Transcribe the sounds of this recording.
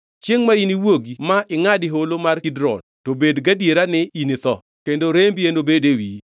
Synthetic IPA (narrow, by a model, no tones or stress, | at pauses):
t͡ʃjeŋmainiwoɡimaʔɪŋadɪɦolomarkidɾɔ̰ntobedɡadjeɾanɪinit̪ɔ̰ | kendoɾembiendobedewi